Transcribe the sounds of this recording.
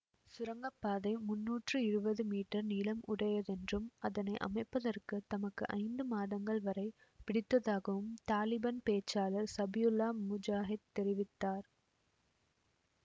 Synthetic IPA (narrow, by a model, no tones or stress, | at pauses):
sʊɾɐŋɡɐpːaːðɐɪmʊnːuːʈrɯɪɾɯbɐðɯmiːʈːɐɾniːlɐmʊɽɐjɐðɛndrɯmɐðɐnɐɪʔɐ̰mɐɪpːɐðɐrkɯt̪ɐmɐkːɯʔɐ̰ɪnd̪ɯmaːðɐŋɡɐɭʋɐɾɐɪ | pɪɽɪt̪ːɐðaːɣɐʋɯmt̪aːlɪbaːnpeːt͡ʃːaːlɐɾsɐbɪjʊlːaːmʊd͡ʒaːɦɪd̪̚t̪ːɛɾɪʋɪt̪ːaːɾ